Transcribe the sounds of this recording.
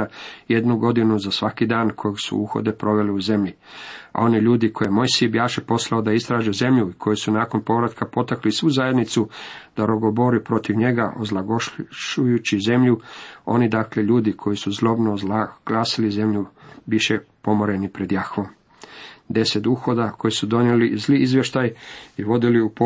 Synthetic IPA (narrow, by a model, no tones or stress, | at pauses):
aje̞d̪nuɡo̞d̪inuzasʋakid̪aːnkʰojeɡsṵṵxo̞̰d̪e̞pɾo̞ʋe̞liuze̞mʎia̰o̞niʎuːd̪ikʰojemo̞jsibjaːʃepo̞slˠaod̪aist̪ɾaːʒeze̞mʎuikʰo̞jesunaːko̞npo̞ʋɾat̪kʰapo̞t̪aklisʋuzaje̞d̪nit̪sud̪̥aɾoɡo̞bo̞ɾipɾo̞t̪iʋɲe̞ɡaʔozlˠaɡoʃujut͡ɕize̞mʎuo̞nid̪akle̞ʎuːd̪ikʰo̞jisuzlo̞bnoɡ̥laːsilize̞mʎuʋiʃe̞pomo̞ɾe̞nipɾe̞d̪jaxʋom | d̪e̞set̪uxo̞d̪akʰo̞jisud̪o̞njelizliizʋje̞ʃt̪ajiʋo̞d̪iliup